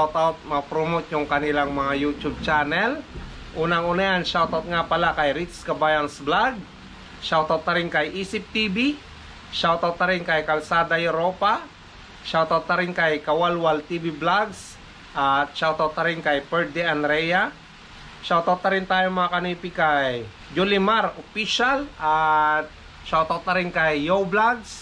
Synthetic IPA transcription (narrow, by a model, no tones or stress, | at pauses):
wt̪awt̪̚mɐpɾomot̪jʊŋkɐnɪlaŋmɐŋajut͡ʃʊb̚t͡ʃaːnɛl | ʔuːnɐŋʔuːnɐjanʃawt̪awt̪̚ŋapɐlakɐjɾit̪skɐbaːjɐnsblaɡ̚ | ʃawt̪awt̪̚nɐɾɪŋkɐjʔiːsɪp̚t̪ibi | ʃawt̪awt̪̚nɐɾɪŋkɐjkɐlsaːd̪ɐjʊɾoːpa | ʃawt̪awt̪ɐɾɪŋkɐjkɐwalwalt̪ibiblaɡs | ʔat̪̚ʃawt̪awt̪ɐɾɪŋkɐjpɛɹd̪ɛɐnd̪ɾɛja | ʃawt̪owt̪ɐɾɪnt̪aːjoŋmɐŋakɐniːpɪkɐj | d͡ʒulɪmaɾopiʃalʔat̪̚ | ʃawt̪awt̪ɐɾɪŋkɐjːowblaɡs